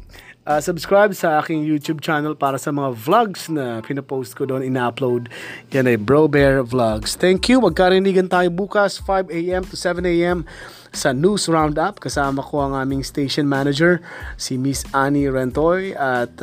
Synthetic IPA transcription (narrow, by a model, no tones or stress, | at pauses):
ʔasʊbskɹajbsɐʔaːkɪŋjut̪jub̚t͡ʃanɐlpaːɾɐsɐmɐŋavlaɡsnɐpɪnɐpowst̪̚kod̪oʔonɪnaplowd̪̚jɐnɐjbɹowbɛɹvlaɡst̪ɛŋkjumɐɡ̚kaɾɪniːɡɐnt̪aːjobuːkɐsfajbejʔɛmt̪ʊsɛvɛnejʔɛm | sɐnuːsɹawnd̪ap̚kɐsaːmɐko̞ɐŋʔaːmɪŋst̪ejʃɔnmanɐd͡ʒɛɹsɪmisʔaniɹɛnt̪ojʔɐt̪